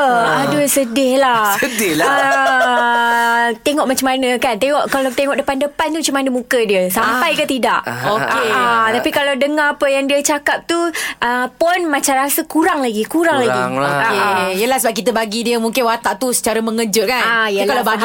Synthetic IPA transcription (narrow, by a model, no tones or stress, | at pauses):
əahduəsədɪhlasədɪhlə | t̪eŋɔʔmat͡ʃamanəkant̪eŋɔʔkalawt̪eŋɔʔdəpandəpant̪umat͡ʃamanəmũkədiəsampajkət̪idaʔoket̪apikalawdəŋahapəjaŋdiət͡ʃakap̚t̪uʔəpɔnmat͡ʃamɾasəkuɾaŋlaɡikuɾaŋlaɡiokejəlahsəbap̚kit̪əbaɡidiəmuŋkɪnwat̪aʔt̪usə̥t͡ʃaɾəməŋəd͡ʒʊt̚kanajəkalabaɡ